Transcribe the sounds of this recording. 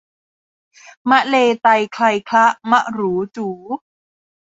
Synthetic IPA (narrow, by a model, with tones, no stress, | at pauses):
ma˦˥ʔleː˧t̪a˧jkʰla˧jkʰla˦˥ʔma˦˥ʔɾuː˩˦t͡ɕuː˩˦